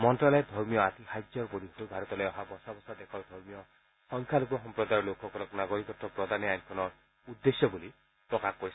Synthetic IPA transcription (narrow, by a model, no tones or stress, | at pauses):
mɔnʈɾaled̪ʱɔɾmijɔat̪ihajd͡ʒɔɾpoɾiɦɔubʱaɾɔt̪ɔleɔɦabɔsabɔsad̪ekʰɔɾd̪ʱɔɾmijɔ | sɔŋkʰjalokɔɦɔmpɾɔd̪ajɾɔlokʰɔkɔɾɔknaɡɔɾikɔʈːɔpɾɔd̪ʱaniajnkʰɔnɔ | ud̪ːesjɔbuli | pɾɔkakkɔɾi